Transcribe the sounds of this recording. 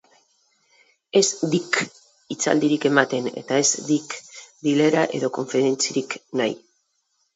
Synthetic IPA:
e̞zd̪ik | it͡sa̰ld̪iɾike̞mat̪e̞ne̞̰t̪ae̞zd̪ikd̪ile̞ɾaʔe̞ðo̞ko̞ɱfeɾe̞nt͡siɾiknaj

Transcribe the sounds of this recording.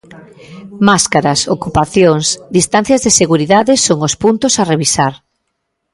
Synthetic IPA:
maskaɾɐsokupaθjoŋsd̪ist̪an̟θjɐzðeseɣuɾiðaðɪsoŋospunt̪osareβisaɾ

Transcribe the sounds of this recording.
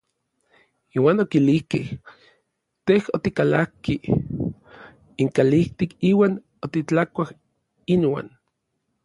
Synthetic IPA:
iːwaːnokilihkeh | t̪ehot̪ikalakːi | iŋkaliht̪ikiːwaːn | ot̪it͡ɬakʷah | inwa̰ːn

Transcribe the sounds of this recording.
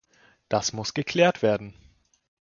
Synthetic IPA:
d̥asmʊsɡ̥əkʰl̥ɛːɐtv̥eːɐdn̩

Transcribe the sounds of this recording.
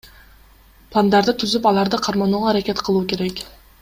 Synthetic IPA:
plˠand̪ɑɾd̪ɯt̪ʰyzypɑlˠɑɾd̪ɯqʰɑɾmɑnuːʁɑːɾakʲe̞t̪qʰɯlˠuːkʲe̞ɾek

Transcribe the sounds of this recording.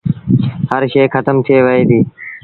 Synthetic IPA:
həɾʃeːxət̪əmt̪ʰieːʋəɦeːd̪iː

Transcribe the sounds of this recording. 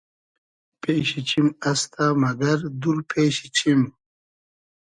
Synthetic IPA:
peːɕit͡ɕimast̪ʰamɐɡɐɾd̪uɾpʰeːɕit͡ɕʰim

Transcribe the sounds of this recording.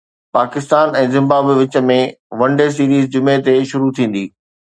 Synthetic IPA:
paːkɪst̪aːnɛ̃ːzɪ̃mbaːbʋɪt͡ɕə̆mẽʋɐ̃ɳɖes̬iːɾiːzd͡ʑʊmet̪eʃʊɾut̪ʰĩːn̆d̪iː

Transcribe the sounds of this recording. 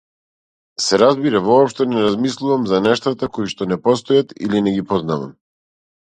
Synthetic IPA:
sɛɾazbiɾavɔːpʃt̪ɛnɛɾazmislˠuvamzanɛʃt̪at̪akɔiʃt̪ɔnɛpɔs̬t̪ɔjat̪ḭlinɛɡipɔznava̰m

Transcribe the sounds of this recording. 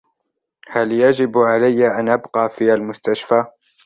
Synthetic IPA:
haljad͡ʒɪbʕalajːaʔanʔabqɑːfiːalmʊst̪aʃfaː

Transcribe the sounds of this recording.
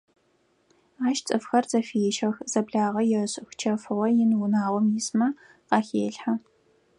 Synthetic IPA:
aːʃt͡sʼɨfxɐrzɐfijɛʃɐxz̥ɐbɮaːʁɐjɛɕʼɨxʷt͡ʃʰɐfɨʁʷɐjɪnwʊnaːʁʷɔmjɪsmɐ | qɑxeːɬħa

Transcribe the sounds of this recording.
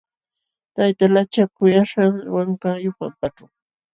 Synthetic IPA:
t̪ajt̪alat͡ʃakʊjaʃaŋwaŋkajʊpa̰mpaʈ͡ʂʊ

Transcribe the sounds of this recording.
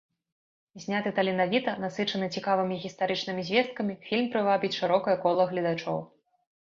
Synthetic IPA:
zʲnʲat̪ɨt̪ɐlʲinavʲit̪ɐnasɨt͡ʂɐnɨt͡sʲikavɨmʲiɣʲist̪aɾɨt͡ʂnɨmʲizʲvʲɛst̪̚kɐmʲifʲilʲmpɾɨvabʲit͡sʲʂɨɾɔkɐjɐkɔlˠɐɣlʲɐd̪at͡ʂɔ̰w

